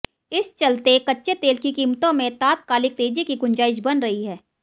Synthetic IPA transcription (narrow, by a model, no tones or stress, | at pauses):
ɪst͡ʃɐlt̪ekɐtːʃet̪eːlkikiːmt̪õmẽt̪aːt̪̚kaːlɪk̚t̪eːd͡ʒikiɡʊ̃ɲd͡ʒaːɪʃbɐnɾɐɦiɦɛː